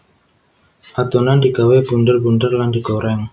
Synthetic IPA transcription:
ʔat̪unand̪iɡaweb̥undərbundərlandiɡoɾɛŋ

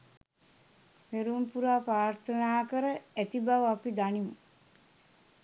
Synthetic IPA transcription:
meɾumpuɾaːpɾaːɾt̪ʰənaːkəɾəæt̪ibaʋapid̪animu

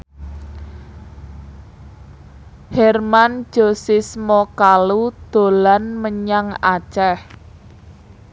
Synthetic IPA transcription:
hɛrman̥ʒ̥o̤sismɔkalud̪̥o̤lanməɲaŋat͡ʃɛh

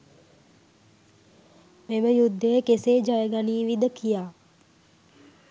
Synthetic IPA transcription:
meməjud̪ːəjəkeseːd͡ʒajəɡaniːʋid̪əkʰijaː

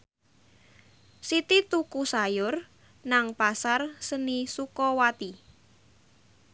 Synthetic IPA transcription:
sit̪it̪ukusajʊr | naŋpasarsənisukɔwat̪i

